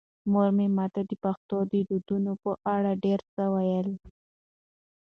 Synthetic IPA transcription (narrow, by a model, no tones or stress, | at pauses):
moɾmemɑt̪ad̪əpaxt̪od̪əɖud̪unopəʔaɽaɖeɾt͡səwajəl